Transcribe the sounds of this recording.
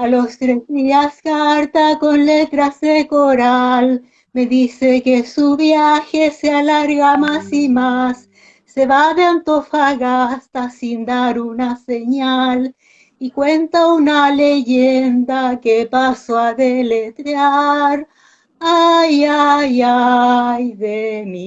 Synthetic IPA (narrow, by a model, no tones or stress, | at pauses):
alo̞st̪ɾe̞zðiaskaɾt̪ako̞nle̞t̪ɾazðe̞ko̞ɾal | me̞ðise̞ke̞suβjaxe̞sealaɾɣamasimasː | e̞βaðeant̪o̞faɣast̪asind̪aɾunase̞ɲal | ikwe̞nt̪aunaleʝend̪akepasoaðe̞le̞t̪ɾaɾ | ajajajðemi